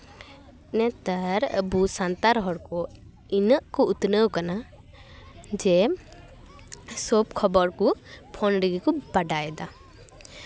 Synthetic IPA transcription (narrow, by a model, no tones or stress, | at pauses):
nɛt̪aɾə̰busant̪aɾɦɔɽkɔ | inəʔkɔut̪nəwkana | d͡ʒɛ | sɔpkʰɔbɔɾkɔpʰɔnɾəɡikɔbaɖajɛd̪a